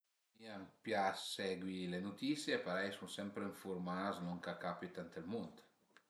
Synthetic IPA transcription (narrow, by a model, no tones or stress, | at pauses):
miampjasɛɡwilenut̪isjepaɾajsusɛmpɾeiɱfuɾmaznuŋkakapit̪ant̪elmunt̪